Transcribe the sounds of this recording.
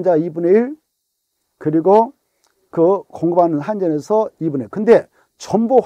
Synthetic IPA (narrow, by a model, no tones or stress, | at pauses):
nd͡ʑaibuneiɭ | kɯɾiɡo | kɯkoŋɡɯbanɯnɦand͡ʑʌnesʰʌibuneɭkɯnde̞ | t͡ɕʌmbo